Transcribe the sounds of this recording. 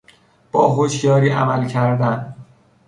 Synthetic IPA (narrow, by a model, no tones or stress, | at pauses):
b̥ɒːɦoʃjɒːɾiːʔæ̰mælcʰæɾd̪æn